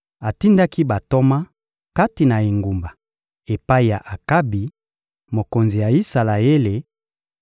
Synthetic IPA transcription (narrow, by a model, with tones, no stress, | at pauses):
a˨ti˦nda˦ki˦ba˨to˦ma˦ | ka˦ti˨na˨e˨ŋɡu˨mba˨ | e˨pa˦i˨ja˨ʔa˨ka˦bi˨ | mo˨ko˨nzi˨ja˨i˦sa˨la˨e˦le˨